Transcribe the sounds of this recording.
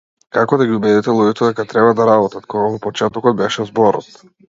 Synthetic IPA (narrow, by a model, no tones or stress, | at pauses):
kakɔd̪aɡʲiubɛd̪ɛt̪ɛlˠujɛt̪ɛd̪ɛkat̪ɾɛbad̪aɾabɔt̪at̪kɔɡavɔpɔt͡ʃɛt̪ɔkɔd̪̚bɛʃɛzbɔɾɔ̰t̪